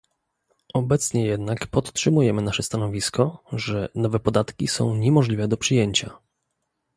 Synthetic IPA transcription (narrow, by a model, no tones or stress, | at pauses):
ʔɔbɛt̪sɲɛjɛd̪nakpɔt̪tʂɘmujɛmɘnaʂɛst̪anɔvʲiskɔʐɛnɔvɛpɔd̪at̪kʲisɔ̰̃w̃ɲɛmɔʐlʲivɛd̪ɔpʂɘjeɲt͡ɕa